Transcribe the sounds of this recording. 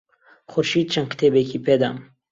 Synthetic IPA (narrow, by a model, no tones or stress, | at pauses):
xʊɾʃiːd̪̚t͡ʃʰɐnkʰt̪ʰeːbekiːpʰed̪a̰m